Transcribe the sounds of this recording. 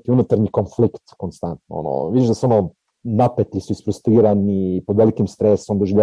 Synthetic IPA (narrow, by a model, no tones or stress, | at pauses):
t̪iunut̪aɾnikonflikt̪konst̪ant̪no̰o̰no̰ʋid̪iʃd̪asono | napet̪lisuisfɾust̪iːɾanipod̪ʋelikimst̪ɾeso̞md̪oʒiʎa